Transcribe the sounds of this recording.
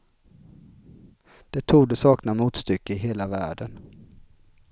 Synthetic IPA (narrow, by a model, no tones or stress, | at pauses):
d̪̥ɛt̪ʰuːɡd̪ɛsɑːknamuːt̪st̪ʏkːəɪɦeːlavæ̰ːɖən